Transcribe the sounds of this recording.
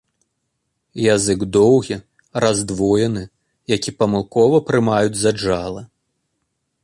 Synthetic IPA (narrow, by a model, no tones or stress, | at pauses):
jazɨɡd̪ɔwɣʲi | razd̪vɔjɛnɨ | jakʲipɐmɨlˠkɔvɐpɾɨmajud͡zʲzad͡ʐalˠɐ